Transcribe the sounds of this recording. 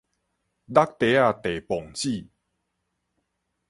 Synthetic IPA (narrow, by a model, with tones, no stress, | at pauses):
d̪a˦k̚t̪e˨˦a˥˧˨t̪e˨˩pɔ˨˩ŋt͡ɕi˥˨